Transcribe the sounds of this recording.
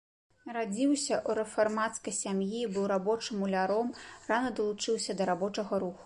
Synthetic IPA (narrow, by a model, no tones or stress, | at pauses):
ɾad͡zʲiwsʲɐʔuɾɛfarmat̪skɐjsʲamjibɨwɾabɔt͡ʂɨmulʲaɾɔmranɐd̪ɐlˠut͡ʂɨwsʲɐd̪ɐɾabɔt͡ʂɐɣɐɾuxu̥